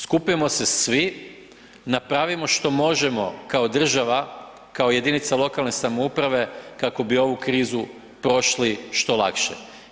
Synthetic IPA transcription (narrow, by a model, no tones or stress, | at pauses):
skupimo̞se̞sʋi | napɾaʋimo̞ʃt̪o̞mo̞ʒe̞mo̞kaod̪r̩ʒaʋa | kaoje̞d̪init̪salo̞kalˠne̞samoupɾaʋe̞kako̞bio̞ʋukɾiːzu | pɾo̞ʃliʃt̪o̞lˠa̰kʃḛ